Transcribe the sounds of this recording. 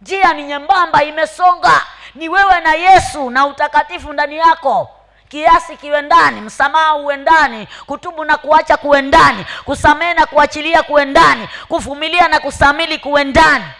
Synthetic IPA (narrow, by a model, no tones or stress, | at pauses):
ɲd͡ʒianiɲɛmbambaimɛsɔŋɡaniwɛwɛnajɛsunautakatifundanijakɔ | kiasikiwɛndanim̩samaauwɛndanikutuɓunakuat͡ʃakuwɛndanikusamɛɛnakuat͡ʃiliakuwɛndanikuvumilianakusamilikuwɛndani